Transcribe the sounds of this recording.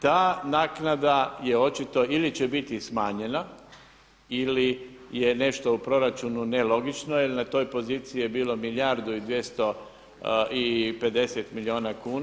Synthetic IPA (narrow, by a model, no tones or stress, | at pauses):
t̪aːnaːknad̪aje̞o̞t͡ʃit̪o̞ilit͡ɕe̞bit̪ismaːɲe̞na | ili | je̞ne̞ʃt̪o̞upɾo̞ɾat͡ʃunune̞lo̞ɡit͡ʃno̞ilnat̪o̞ːjpo̞ziːt̪siijebiːlo̞miljaɾd̪uid̪ʋje̞st̪o̞ | ipe̞d̪e̞set̪milio̞ːnakuːna